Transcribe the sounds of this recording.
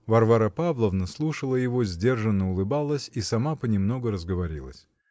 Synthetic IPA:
vɐrvaɾəpavlˠəvnəslˠuʂəlˠəjɪvo̞zʲdʲe̞rʐɨnːəʊlˠɨbalˠəsʲisɐmapənʲɪmno̞ɡəɾəzɡəvɐɾʲḭlˠə̰sʲ

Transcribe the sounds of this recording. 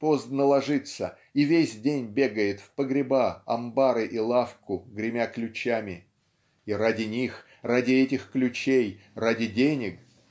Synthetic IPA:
pozd̪nəlˠɐʐɨt̪sə̰ | ivʲesʲdʲenʲbʲeɡəjɪt̪fpəɡɾʲɪbaɐ̰mbaɾɨʔilˠafkʊɡɾʲɪmʲaklʲʉt͡ɕæmʲɪ | iradʲɪnʲix | radʲɪɛtʲɪxklʲʉt͡ɕejradʲɪdʲenʲɪk

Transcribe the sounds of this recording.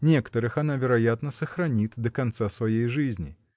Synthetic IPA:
nʲɛkə̥t̪əɾɨxanavʲɛɾajat̪nɐsɐxɾanʲit̪d̪ɐkant̪sasvajejʐɨzʲnʲḭ

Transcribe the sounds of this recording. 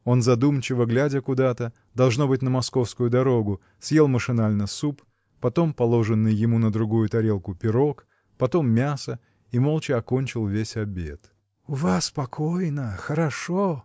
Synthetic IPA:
o̞nzɐd̪umt͡ɕɪvəɡlʲædʲəkʊd̪at̪ə | d̪ɐlˠʐno̞bɨt̚ʲnəmɐsko̞fskʊjʊd̪ɐɾo̞ɡʊ | sʲje̞lˠməʂɨnalʲnəsup | pɐt̪o̞mpɐlˠo̞ʐɨnːɨjːɪmunəd̪ɾʊɡujʊt̪ɐɾʲe̞lˠkʊpʲɪɾo̞k | pɐt̪o̞mːʲasə | imolˠt͡ɕɪɐko̞nʲt͡ɕɪlˠvʲesʲɐbʲe̞̰t̪ | ʊvaspɐkʰojnəxəɾɐʂo

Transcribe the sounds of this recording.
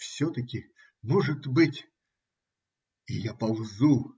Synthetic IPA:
fsʲot̪ɐkʲɪ | moʐɨt̪bɨtʲ | ɪjapɐlˠzu

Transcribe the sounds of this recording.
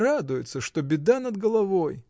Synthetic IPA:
rad̪ʊjɪt̪səʂt̪o̞bʲɪd̪anəd̪ɡəlˠɐvo̞j

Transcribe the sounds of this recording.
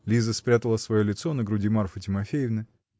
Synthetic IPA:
lʲizəspɾʲat̪əlˠəsvɐjo̞lʲɪt̪so̞nəɡɾʊdʲɪmaɾfɨtʲɪmɐfʲejɪvnɨ

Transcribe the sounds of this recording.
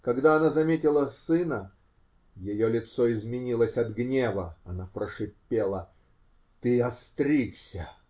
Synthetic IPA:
kɐɡd̪aɐnazɐmʲetʲɪlˠəsɨnə | jɪjolʲɪt̪soɪzmʲɪnʲilˠəsʲɐd̪ɡnʲevəɐnapɾəʂɨpʲːelˠə | t̪ɨɐst̪ɾʲiksʲə

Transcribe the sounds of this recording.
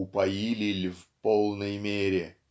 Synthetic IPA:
ʊpɐjilʲɪlʲvpolˠnəjmʲeɾʲɪ

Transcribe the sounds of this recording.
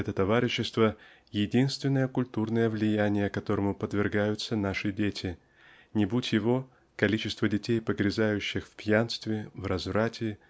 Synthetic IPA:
ɛt̪ət̪ɐvaɾʲɪɕːɪst̪və | jɪdʲinst̪vʲɪnːəjəkʊlʲt̪urnəjəvlʲɪjænʲɪjəkɐt̪o̞ɾəmʊpəd̪vʲɪrɡajʊt̪sənaʂɨdʲetʲɪ | nʲɪbutʲjɪvo̞ | kɐlʲit͡ɕɪst̪vədʲɪtʲejpəɡɾʲɪzajʉɕːɪxfpʲjanst̪vʲɪvrɐzvɾatʲɪ

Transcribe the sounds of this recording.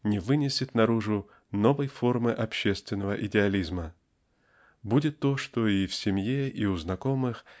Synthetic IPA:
nʲɪvɨnʲɪsʲɪt̪nɐɾuʐʊ | no̞vəjfo̞rmɨʔɐpɕːest̪vʲɪnːəvəʔɪdʲɪɐlʲizmə | budʲɪt̪ːo̞ʂt̪o̞ifsʲɪmjeiʊznɐko̞mɨx

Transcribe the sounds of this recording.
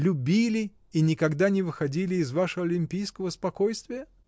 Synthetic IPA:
lʲʊbʲilʲɪ | inʲɪkɐɡd̪anʲɪvɨxɐdʲilʲɪːzvaʂəɐlʲɪmʲpʲijskəvəspɐkojst̪vʲɪjə

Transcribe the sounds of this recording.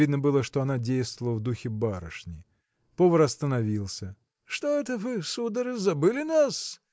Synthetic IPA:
id̪nəbɨlˠəʂt̪o̞ɐnadʲejst̪vəlˠəvd̪uxʲɪbaɾə̰ʂnʲɪ | povəɾɐst̪ənɐvʲilˠsʲə | ʂt̪oɛt̪əvɨsud̪əɾɨzɐbɨlʲɪnas

